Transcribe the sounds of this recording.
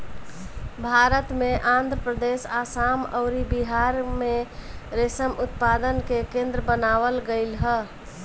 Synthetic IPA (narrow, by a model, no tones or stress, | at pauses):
bʱaɾət̪meʔãnd̪ʱɾəpɾəd̪esasaməʊɾibiɦaɾmeɾesəmʔʊt̪pad̪ənkekẽnd̪ɾəbənaʋəlɡəɪlɦə